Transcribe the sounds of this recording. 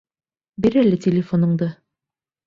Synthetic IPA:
biɾælɘtʲɪlʲɪfonɤ̆ɴd̪ɤ

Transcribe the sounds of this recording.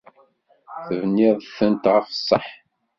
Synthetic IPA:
θəvnːɪðˤθənt̪ʁəfə̥sˤːəħ

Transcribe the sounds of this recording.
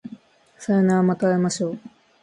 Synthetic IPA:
saenaːmat̪aemaɕo̞ː

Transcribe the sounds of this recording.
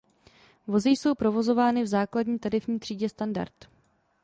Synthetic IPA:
vo̞zɪjso̞wpɾo̞vo̞zo̞vaːnɪvzaːkladɲiːt̪aɾɪfɲiːt̪r̝̥iːɟɛst̪anda̰ɾt̪

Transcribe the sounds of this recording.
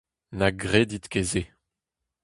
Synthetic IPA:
naɡʁed̪it̪keze

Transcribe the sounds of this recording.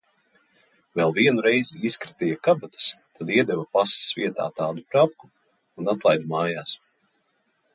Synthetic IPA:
vɛlˠviɛnuɾɛjziiskɾit̪ɛjakabat̪ḁst̪ad̪iɛd̪ɛvɐpasi̥sviɛt̪a̰ːt̪aːd̪upɾawku | unat̪lˠajd̪umaːjaːs

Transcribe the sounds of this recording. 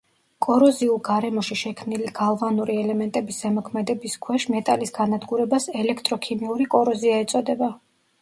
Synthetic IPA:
kʼɔɾɔziulˠɡaɾɛmɔʃiʃɛkʰmniliɡ̥alˠvanuɾiɛlɛmɛnt̪ʼɛbisz̥ɛmɔkʰmɛd̪ɛbiskʰwɛʃmɛt̪ʼalisɡanad̪ɡuɾɛbasɛlɛkʰt̪ʼɾɔkʰimiuɾikʼɔɾɔziaɛt̪sʼɔd̪ɛba

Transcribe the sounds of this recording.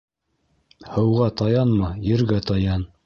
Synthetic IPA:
hɤ̆wʁɑt̪ɑjɑnmɑjɘ̆ɾɡæt̪ɑjɑn

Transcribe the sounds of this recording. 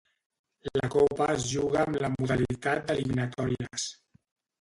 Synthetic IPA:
lakɔpazʒuɣaːmlamuðalit̪at̪̚d̪əliminat̪ɔɾiəs

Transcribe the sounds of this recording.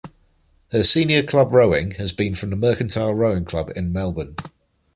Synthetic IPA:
həsĩːnjəkʰl̥ʌbɹəʊɪ̃ŋəzbĩnfɹə̃mðəmɜˑkə̃ntʰaɪlˠɹəʊɪ̃ŋkʰl̥ʌbɪ̰̃nmɛlˠbə̃n

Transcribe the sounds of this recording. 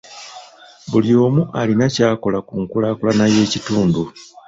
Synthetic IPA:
βuljo̞ːmuʔalinacaːko̞lakuŋkulaːkulanaje̞ːcituːndu

